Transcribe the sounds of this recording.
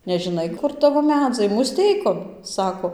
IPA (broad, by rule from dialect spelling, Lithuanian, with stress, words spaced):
nʲɛʒʲɪˈnɐɪ ˈkʊr ˈtɑːʋoː ˈmʲæːd͡zɐɪ mʊˈsʲtʲɛɪkoːn ˈsɑːkoː